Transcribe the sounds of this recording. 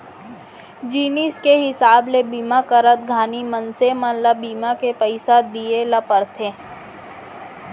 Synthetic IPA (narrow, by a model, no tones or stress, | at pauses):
d͡ʒiːniskeɦɪsaːblebiːmakəɾət̪̚ɡʱaːnimənsemãlabiːmakepəɪsad̪ijelɐpəɾt̪ʰẽː